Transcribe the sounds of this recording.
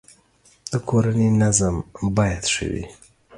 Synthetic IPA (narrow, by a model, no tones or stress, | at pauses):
d̪̥əkʰoɾaninazambɑjat̪ʂə̰wḭ